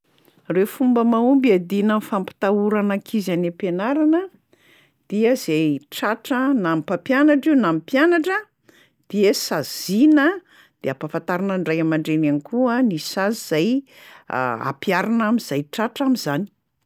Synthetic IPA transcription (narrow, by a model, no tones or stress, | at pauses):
refumbəmaumbiad̪inənfampi̥t̪auɾanakʰizanepenaɾanə | d̪̥iəzeʈ͡ʂaʈ͡ʂənampapjanaʈ͡ʂiwnamipjanaʈ͡ʂə | d̪̥iəsaz̥inə | d̪̥eapafant̪aɾanəɳɖ͡ʐajamaɳɖ͡ʐenanikuanisaziz̥aj̰ | a̰pjaɾanamizajʈ͡ʂaʈ͡ʂamizani̥